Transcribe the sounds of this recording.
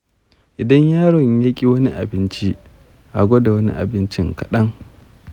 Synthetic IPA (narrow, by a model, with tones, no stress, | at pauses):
ʔɪ˨dɐ˦ɲjaː˦ɽɔ˨ɲja˦kʲʼi˦wɐ˦ni˦ʔa̰˨bɪ˦nt͡ʃi˦ | ʔa˨ɡʷo˦da˨wɐ˦nḭ˦ʔa̰˨bɪ˦nt͡ʃɪ˦ŋkɐ˨ɗɐ˦ŋ